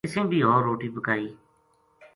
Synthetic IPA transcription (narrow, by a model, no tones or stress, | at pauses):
ɪsẽːbʱiːɦɔːɾːoːʈiːpəkaːiː